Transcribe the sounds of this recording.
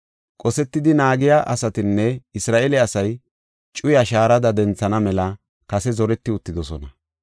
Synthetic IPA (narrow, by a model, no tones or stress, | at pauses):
kʼɔsɛt̪ːɪd̪ɪnaːɡɪjaʔɐsɐt̪ɪnːɛɪsɾaːʔɛlɛɐsɐj | t͡ʃʼʊjɐʃaːɾɐd̪ɐd̪ɛnt͡sːɐnɐmɛlɐ | kɐsɛzɔɾɛt̪ːɪʊt̪ːɪd̪ɔsɔ̰nɐ